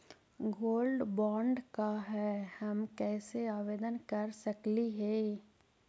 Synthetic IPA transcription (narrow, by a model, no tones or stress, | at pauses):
ɡoːlɖbɔ̃ːɳɖkaɦɛːhɐmkɛːseaːʋeːd̪ənkɐɾsɐkliɦẽː